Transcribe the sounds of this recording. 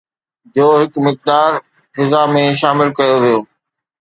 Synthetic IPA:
d͡ʑoːɦɪkmɪk̚d̪aːɾ | fɪzamẽʃaːmɪlkɐjoʋijoː

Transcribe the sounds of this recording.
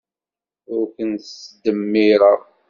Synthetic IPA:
ʊɾkənsd̪əmːiɾɑ

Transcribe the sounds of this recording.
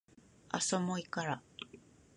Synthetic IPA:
a̰somoikaɾa

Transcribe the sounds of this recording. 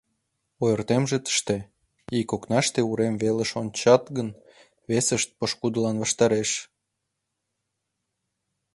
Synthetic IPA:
ojərt̪emʒet̪ə̥ʃt̪e | ikoknɑʃt̪euɾemveləʃonʲt͡ɕɑt̪ɣən | βesəʃt̪̚pəʃkud̪əlɑnβɑʃt̪ɑɾeʃ

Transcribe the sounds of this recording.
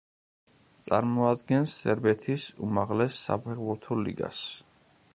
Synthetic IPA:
t̪sʼaɾmɔad̪ɡɛnsːɛɾbɛt̪ʰisṵmaʁlɛsːa̰pʰɛʁbuɾt̪ʰɔlḭɡa̰s

